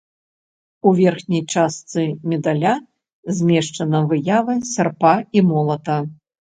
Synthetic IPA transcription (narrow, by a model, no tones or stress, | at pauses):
uvʲɛrxnʲɐjt͡ʂast̪sɨmʲɛd̪alʲa | zʲmʲɛʂt͡ʂɐnɐvɨjavɐsʲarpaimɔlˠɐt̪ɐ